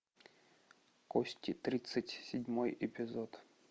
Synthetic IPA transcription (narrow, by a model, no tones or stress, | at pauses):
kosʲtʲit̪ɾʲit̪sɨtʲsʲɪdʲmojɛpʲɪzot̪